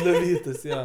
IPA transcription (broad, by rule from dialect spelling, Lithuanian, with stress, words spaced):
nʊˈʋʲiːtʊs ˈjoː